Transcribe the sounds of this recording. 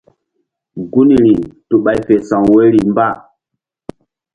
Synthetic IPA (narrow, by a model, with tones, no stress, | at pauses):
ŋ˨ɡu˦ni˨ɾi˨tu˨ɓa˨jfe˨sa˨ŋwe˦ɾi˨mba˦˨